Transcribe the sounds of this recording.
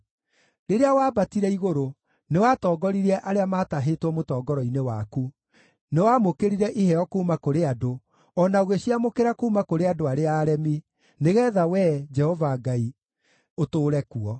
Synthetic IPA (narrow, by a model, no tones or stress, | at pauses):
ɾeɾeawaːbatiɾɛiɣoɾo | newatɔːɡɔɾiɾɛʔaɾeamaːtaɦetwɔmotɔːɡɔɾɔinewaku | newamokeɾiɾɛʔihɛɔkoːmakoɾeado | ɔnaoɣeɕiamokeɾakouːmakoɾeadoaɾeaːɾɛmi | neɣɛːðawɛd͡ʒɛhɔvaɡai | otoːɾɛkuɔ